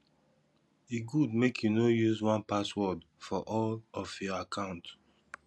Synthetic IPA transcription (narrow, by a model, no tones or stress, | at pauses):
iɡud̚mekʰjunojuzwãnpaswɔd | fɔʔɔlɔfjɔakʰãʊ̃nt